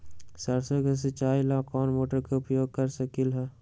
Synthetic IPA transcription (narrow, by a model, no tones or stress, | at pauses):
sɐɾsəkes̬ɪt͡ʃaːilãːkɔːnmoːʈəɾkeʊpjoːɡ̚kɐɾsəkɪlɦɛː